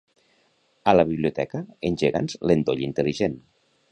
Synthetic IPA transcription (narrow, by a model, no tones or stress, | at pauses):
ələβiβliut̪ɛkəenʲʒeɣa̰nzlend̪oʎint̪eliʒen